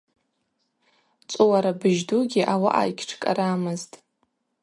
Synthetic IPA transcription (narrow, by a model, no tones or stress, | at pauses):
t͡sʷʼuwaɾabɨʒduɡʲiʔawaʔa̰jkʲʰʈ͡ʂʰkʼa̰ɾamɨztʼ